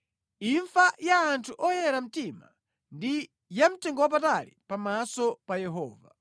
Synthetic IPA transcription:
iɱfajaːntʰuʔɔjɛɾam̩tima̰ | ndi | jam̩tɛŋɡɔwap̬atalḭpamasɔpajɛɦɔ̰ːva

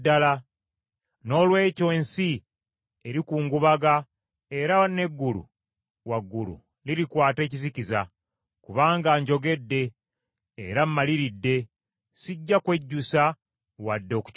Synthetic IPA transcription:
dala | no̞ːlwe̞ːco̞ːnsi | eɾikuːŋɡuβaɡa | e̞ɾane̞ɡːulṵ | waɡːulṵ | liɾikwaːte̞ːciziciza | kuβaːŋɡaːɲɟo̞ɡe̞dːe̞̰ː | ɾammːaliɾidːe̞ | siɟːakwe̞ɟːusa | wadːo̞ːku̥

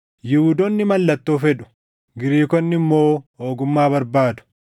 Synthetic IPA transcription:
jɪhuːd̪ɔnːɪmɐlːɐt̪ːoːfɛᶑʊ̥ | ɡɪɾiːkɔnːɪmːo̞ːoːɡʊmːaːbɐɾbaːd̪ʊ̥

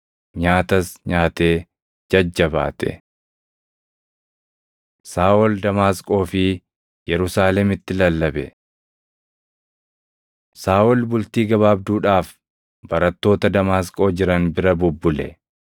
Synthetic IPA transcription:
ɲaːt̪ɐsɲaːt̪e̞ː | d͡ʒɐd͡ʒːɐba̰ːt̪ʰɛ̰ | saːʔɔld̪ɐmaːskʼo̞ːfɪ | jɛɾʊsaːlɛmɪt̪ːɪlɐlːɐbɛ | saːʔɔlbʊlt̪iːɡɐβaːbd̪uːᶑaːf | bɐɾɐt̪ːo̞ːt̪ɐd̪ɐmaːskʼo̞ːd͡ʒɪɾɐnbɪɾɐbʊbːʊlɛ̰

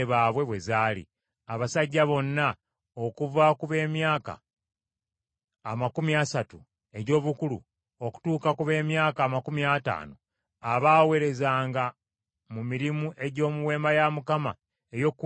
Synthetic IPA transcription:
eβaːβwe̞βwe̞zaːlḭ | aβasaɟːaβo̞nːa | okuvakuβe̞ːmjaːka̰ | makumiasatu | e̞ɟo̞ːβukulṵ | o̞ku̥tuːkakuβe̞ːmjaːkaːmakumiata̰ːno̰ | aβaːwe̞ɾe̞zaːŋɡa | mumiɾimuʔe̞ɟo̞ːmuwe̞ːmbajamukama | ejo̞kː

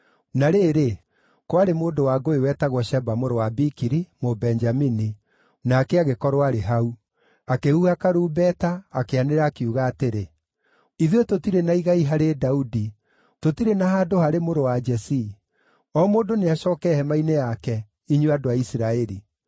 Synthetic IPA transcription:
naɾeːɾe | kwaɾemoːndowaɡoewɛtaɣwɔʃɛbamoɾowabikiɾimobɛnd͡ʒamini | naːkɛaɣekɔɾoaɾeɦau | akehuakaɾuːbɛtaːkeaneɾaːkeuɣaːteɾe | iðetotiɾenaiɣaiɦaɾedaudi | totiɾenaɦadohaɾemoɾowad͡ʒɛsi | ɔmoːndoneaʃɔːkɛhɛmainejakɛ | iɲweadoaisiɾaɛɾi

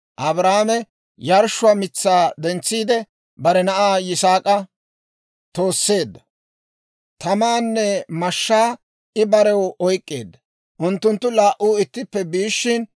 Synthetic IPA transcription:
ʔɐbɾaːmɛ | jɐɾʃːʊwɐmɪt͡sːaːd̪ɛnt͡sːiːd̪ɛ | bɐɾɛnɐʔaːjɪsaːkʼɐ | t̪o̞ːsːe̞ːd̪ːɐ | t̪ɐmaːnːɛmɐʃːaː | ɪbɐɾɛwɔjkʼːeːd̪ːɐ | ʔʊnt̪ːʊnt̪ːʊlaːʔːuːɪt̪ːɪpːɛbiːʃːɪn

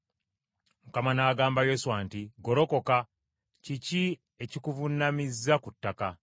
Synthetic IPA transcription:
mukamanaːɡaːmbajo̞suwaːntiɡo̞ɾo̞ko̞ka | cici | e̞cikuvunamizːakutːaka

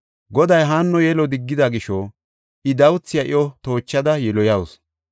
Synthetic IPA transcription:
ɡɔd̪ɐjɦaːnːɔjɛlɔd̪ɪɡːɪd̪ɐɡɪʃɔ | ʔɪd̪ɐwʊt͡sːɪjɐʔɪɔt̪o̞ːt͡ʃːɐd̪ɐjɛlɔjɐws

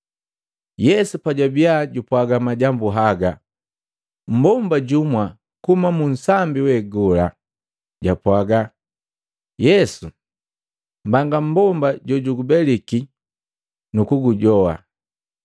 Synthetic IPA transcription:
jɛsupaɟabiaɟupwaɡamaɟambuɦaɡa | m̩bɔmbaɟumwa | kumamun̩sambiwɛɡɔla | ɟapwaɡa | jɛsu | mbaŋɡam̩bɔmbaɟɔɟuɡubɛliki | nukuɡuɟɔa̰

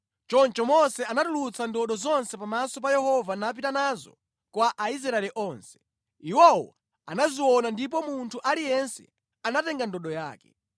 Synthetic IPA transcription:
t͡ʃɔnt͡ʃɔmɔsɛanatulut͡sʰandɔɗɔzɔnsɛpamasɔpajɛhɔvanap̬itanazɔ̰ | kwaʔaizɾaɛlɛʔɔːnsɛ̥ | iwɔwɔ̰ | a̰naziwɔnandip̬ɔmuntʰuʔalijɛnsɛ̰ | anatɛŋɡandɔɗɔja̰ːkɛ̥̰

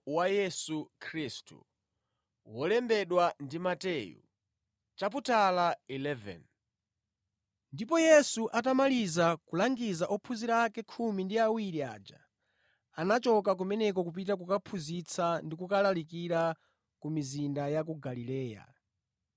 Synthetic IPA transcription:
wajɛsukʰɾistṵ | wɔlɛmbɛɗwandimatɛːjṵ | t͡ʃap̬utʰalailɛvɛ̰n | ndipɔjɛsuʔatamalizakulaŋɡizaʔɔpʰuziɾakɛkʰumindiawiɾia̰d͡ʒa̰ | anat͡ʃɔkak̬umɛnɛk̬ɔkup̬itak̬ukapʰuzit͡sʰandikukalalikiɾa | kumizindajak̬uɡalilɛːja̰

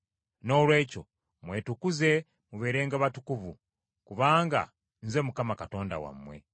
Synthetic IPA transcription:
no̞ːlwe̞ːco̞ | mweːtukuze̞ | muβe̞ːɾe̞ːŋɡaβatukuvu | kuβaːŋɡa̰ | n̩ze̞mukamakato̞ːnda̰wa̰mwe̞̰

